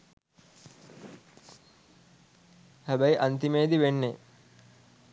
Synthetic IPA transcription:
hæbæjʔant̪imeːd̪iʋenːe

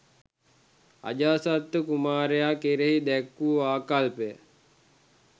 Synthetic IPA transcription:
a̰d͡ʒaːsat̪ːəkumaːɾejakeɾeɦid̪ɛkːuːaːkalpejə

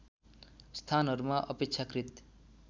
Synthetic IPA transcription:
st̪ʰanɦʌɾumaʔʌpek̚t͡sʰakrit̪

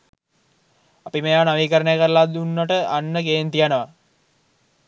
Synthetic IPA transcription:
apiməjaːnaʋiːkəɾəɳejəkəɾəlad̪unːaʈəʔanːəkeːnt̪ijanəʋa

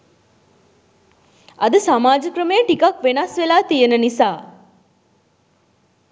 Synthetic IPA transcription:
ɐd̪əsamaːd͡ʒəkɾəmejəʈikakʋenasʋelaːt̪ijenənisaː

